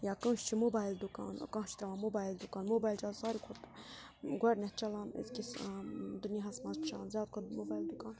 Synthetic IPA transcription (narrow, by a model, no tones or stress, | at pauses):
jaːkɐ̃ːʃt͡ʃʰimobaːjld̪ukaːn̰kãːt͡ʃʰi̥t̪ɐlaːnmoːbaːjild̪ukaːnmobaːjlt͡ʃalsaːɾikʰot̪ | ɡwɐɾnɛht͡ʃɐlaːnḛzkʲisd̪uniɦɐsmãːzpʰʃaːnzjaːd̪̚kʰod̪mobaːjld̪ukãːn